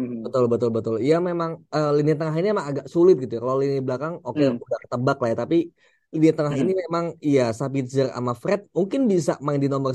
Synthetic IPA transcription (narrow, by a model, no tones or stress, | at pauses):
bət̪ʊlbət̪ʊlbət̪ʊlijamemaŋəːlinɪt̪ːəŋaɦinimemaŋaɡaʔsulɪt̪̚ɡit̪ujkalawlinɪblakaŋokeudaht̪əbaklajat̪api | linɪt̪ːəŋaɦinimemaŋijasapit̪̚zəra̰mafɾɛt̪̚muŋkɪnbisa̰mandinomər